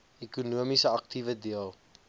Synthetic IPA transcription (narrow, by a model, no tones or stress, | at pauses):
ɛkunuəmisəɐk̚tivədiəlˠ